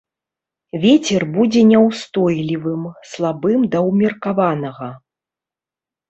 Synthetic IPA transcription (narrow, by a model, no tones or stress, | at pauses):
vʲet͡sʲɛrbud͡zʲɛnʲɛwst̪ɔjlʲivɨmslˠabɨmd̪ɐwmʲirkavanɐɣɐ